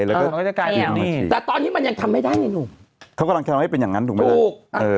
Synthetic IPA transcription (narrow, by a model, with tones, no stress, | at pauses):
jlɛː˦˥kːkɔ˥˩a˥˩ka˧˨˩a˧˥˩ḭ˧˩t̪ːt̪ɔː˧nːiː˦˥ma˧nja˧ŋt̪ʰa˧mːa˥˩jdaː˥˩ja˧˩nuː˨˩kʰa˦˥wkɔ˧lʰha˥˩pe˧nja˨˩ŋa˦˥nt̪ʰuː˨˩mʰː˦˥˩k̚ʔʔɤː˧